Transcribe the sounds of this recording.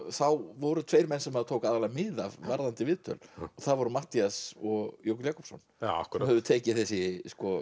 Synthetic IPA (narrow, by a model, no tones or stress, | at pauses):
θawvɔɾʏt̪ʰveːjɾmɛnsɛmhaðʏt̪ʰowkaːðalamɪða̰vvaɾðant̪ɪvɪðt̪ʰœ̰lɔθaðvɔɾʏmaht̪iasɔɣjowk̪jaːkɔpsɔna̰kmhɛvðʏt̪ʰeːjcɪθɛsːɪskɔ